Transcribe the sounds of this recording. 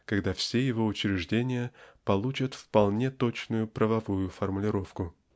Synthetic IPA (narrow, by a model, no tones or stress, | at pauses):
kɐɡd̪afsʲejɪvo̞ʊt͡ɕɾʲɪʐdʲenʲɪjəpɐlˠut͡ɕət̪fpɐlˠnʲe̞t̪o̞t͡ɕnʊjʊpɾʔəvɐvujʊfərmʊlʲɪɾo̞fkʊ